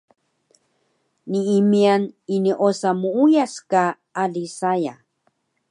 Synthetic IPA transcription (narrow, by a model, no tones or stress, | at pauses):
niimianiniʔosamuujaskaː | lisaja